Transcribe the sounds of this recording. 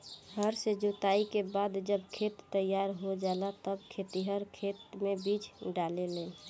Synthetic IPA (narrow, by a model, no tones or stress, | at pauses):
ɦəɾsed͡ʒot̪aikebad̪d͡ʒəbkʰet̪ːəjaɾɦod͡ʒalat̪əbkʰet̪iɦəɾkʰet̪mebid͡ʒɖaleleːl